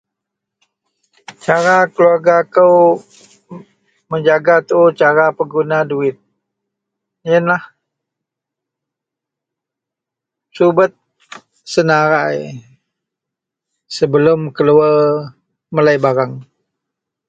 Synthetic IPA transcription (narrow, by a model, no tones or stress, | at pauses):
t͡ʃaɾakəluarɡakəw | məɲd͡ʒaɡat̪uːt͡ʃaɾapəɡunaduɪt̪̚ | jənlah | subət̪̚ | sənaɾaj | səbəlʊmkəluər | məlajbaɾaŋ